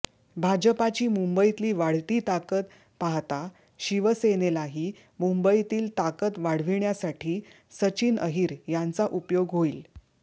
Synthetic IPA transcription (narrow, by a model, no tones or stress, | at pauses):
bʱad͡ʑəpat͡ɕiːmumbəit̪liːʋaɽ̤t̪iːt̪akət̪ | paɦt̪a | ɕiʋəsenelaɦiː | mumbəit̪iːlt̪akət̪ʋaɽ̤ʋiɳjasaʈʰiː | sət͡ɕiːnʔəɦiːɾjant͡saʔupjoɡɦoiːl